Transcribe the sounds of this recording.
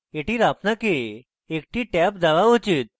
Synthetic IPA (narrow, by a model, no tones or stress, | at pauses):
eʈiːɾapnakeː | k̚ʈiːʈɛp̚d͡zaʋaɦot͡ɕiːt̪̚